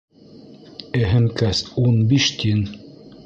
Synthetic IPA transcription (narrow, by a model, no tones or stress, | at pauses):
ɘɦɘ̆mkæsunbiʃt̪ʲʰin